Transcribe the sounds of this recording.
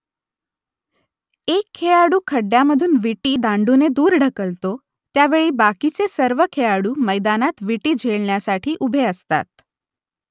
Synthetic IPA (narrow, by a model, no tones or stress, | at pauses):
ekʰːejaɽuːkʰəɖjaməd̪ʱuːnʋiʈiːd̪ãɳɖuned̪uːɾɖʱəkəlt̪o | t̪jaʋeɭiːbakit͡sesəɾʋəkʰejaɽuːməjd̪anat̪ʋiʈiːd͡ʑʱeɭɳjasaʈʰiːʔubʱeəst̪a̰t̪̚